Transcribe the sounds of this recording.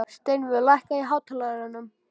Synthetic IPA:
st̪ejnvʏðlajhkaiɦaːwt̪ʰalaɣɾanːʏm

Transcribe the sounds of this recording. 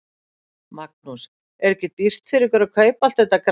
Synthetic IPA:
mak̚nus | ɛɾɛhcɪt̪ir̥t̪fɪɾɪɾkɛɾakʰœːɥpalt̪θɛht̪ːakɾ

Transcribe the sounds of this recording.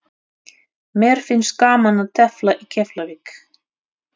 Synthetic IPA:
mɛːɾ̥fɪnskaːmanaðt̪ʰɛflaʔicʰɛflavɪk

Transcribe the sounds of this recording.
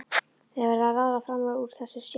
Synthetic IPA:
ɛvaɾvavaːvafɾamauɾ̥θɛsːʏsj

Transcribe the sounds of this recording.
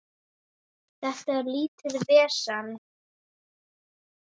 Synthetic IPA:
θɛht̪aɛɾliːt̪ɪðvɛːsan

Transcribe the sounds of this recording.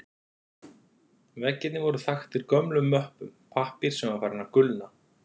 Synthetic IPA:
vɛcːɪt̪nɪvɔɾʏθaxt̪ɪɾkœmlʏmːœhpʏmpʰahpiɾ̥sɛmaɾfaːɾɪnakʏlna

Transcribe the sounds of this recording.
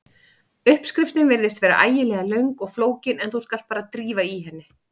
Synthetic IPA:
ʏhpskɾɪft̪ɪnvɪɾðɪst̪vɛːɾa̰ʔaːjɪlɛːɣalœɥŋkɔɣfloːwcɪnɛnθuskalt̪̚paːɾat̪ɾiːvaiɦɛnːɪ

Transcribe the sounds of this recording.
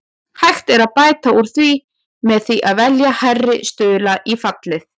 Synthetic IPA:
hajxt̪ɛɾaðpaːjt̪auɾ̥θvi | mɛðθiʔaðvɛljaharːɪst̪ʏːðlaʔifat̪lɪθ

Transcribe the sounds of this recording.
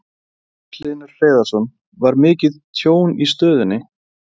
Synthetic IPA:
kʰlɪːnʏɾ̥r̥eːjðasɔn | vaɾmɪːcɪðt̪ʰjoːwnist̪œːðʏnːɪ

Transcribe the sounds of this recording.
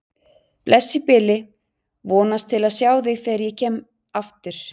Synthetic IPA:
plʔɛsːɪpɪlɪ | vɔːnast̪ʰɪlaðsjaːwθɪɣθɛːaɾjɛcʰɛːm | aft̪ɪɾ̥

